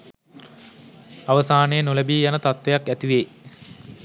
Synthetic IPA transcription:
ɐʋɐsaːnejnulɐbiːjanɐt̪ɐt̪ʋejakːæt̪iʋeː

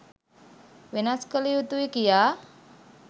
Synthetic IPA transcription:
wenaskəliut̪uikija

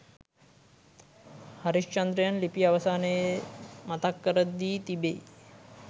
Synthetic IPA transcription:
haɾiʃt͡ʃɐnd̪ɾəjanlipijaʋɐsaːnəjemat̪akːəɾət̪̚ːiːt̪ibej

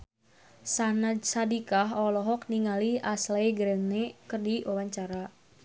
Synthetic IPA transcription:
sanadsadikaɦɔlɔɦɔk̚niŋaliaslajɡɾɛnnɛkɨrdiwawaɲt͡ʃaɾa

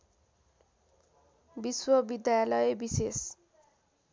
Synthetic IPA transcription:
biswʌbid̪jajalʌjebises

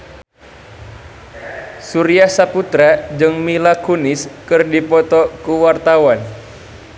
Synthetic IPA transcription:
suɾiahsaput̪ɾad͡ʒɨŋmilakunɪskɨrdipɔt̪ɔkuwart̪awan

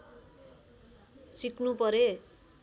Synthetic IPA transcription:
sikʰnupʌɾe

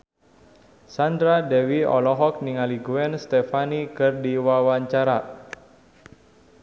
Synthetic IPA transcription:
sand̪ɾadɛwiɔ̰lɔɦɔk̚niŋaliɡuɛnst̪ɛfanikɨrdiwawaɲt͡ʃaɾa

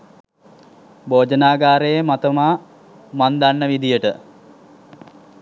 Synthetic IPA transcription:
boːd͡ʒənaːɡaːɾejemat̪əmaː | mand̪anːəʋid̪ijəʈə

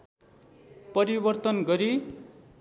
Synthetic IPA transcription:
pʌɾibʌrt̪ʌnɡʌɾi

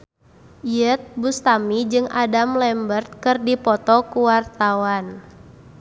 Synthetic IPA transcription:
jət̪̚bust̪amid͡ʒɨŋadamlɛmbərt̪̚kɨrdipɔt̪ɔkuwart̪awan

